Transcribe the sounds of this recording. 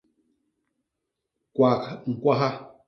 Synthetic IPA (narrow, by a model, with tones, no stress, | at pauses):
kwa˨kŋ̩˨kwa˦ɦa˦